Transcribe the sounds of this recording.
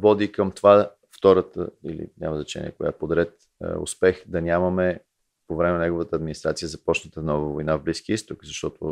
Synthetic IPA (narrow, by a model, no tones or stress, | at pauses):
vɔd̪ikəmt̪ova | ft̪ɔɾət̪ə̰ḭlḭnʲʔa̰məznɐt͡ʃɛ̰nʲḭə̰kʊja̰pod̪ɾɛt̪ | ʊ̰spɛxd̪ɐnʲamɐmɛ | povɾɛmɛnɛɡovət̪əːd̪minist̪ɾat̪sijəzɐpɔt͡ʃnət̪ənɔvəvojnavbliskiəist̪okzɐʃt̪ɔt̪ʊ